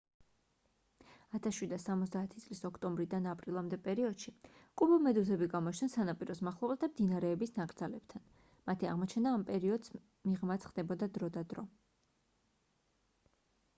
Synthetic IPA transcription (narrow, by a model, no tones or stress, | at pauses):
at̪ʰasʃwid̪asamɔt̪sʰd̪aːt̪ʰit̪sʼlisɔkʰt̪ʼɔmbɾid̪anapʼɾilˠamd̪ɛpʼɛɾiɔd̪̥ʃikʼubɔmɛd̪uzɛbiɡamɔt͡ʃʰnɛnsanapʼiɾɔsmaχlˠɔblat̪amd̪inaɾɛːbisnakʼɾd̪zalɛb̥t̪ʰan | mat̪ʰia̰ʁmɔt͡ʃʰɛnaːmpʼɛɾiɔd̪s | miʁmat̪sʰχd̪̥ɛbɔd̪ad̪ɾɔd̪ad̪ɾɔ